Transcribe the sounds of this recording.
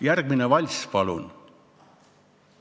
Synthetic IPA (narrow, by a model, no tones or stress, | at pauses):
jærɡ̥̚minevɑlʲspɑlṵn